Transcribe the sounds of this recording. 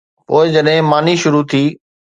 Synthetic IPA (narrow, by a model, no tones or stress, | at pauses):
poːɪd͡ʑɐɗɦɪ̃maːniʃʊɾut̪ʰiː